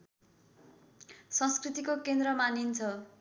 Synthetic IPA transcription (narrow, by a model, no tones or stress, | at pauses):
sʌ̃nskrit̪ikokend̪ɾʌmanint͡sʰʌ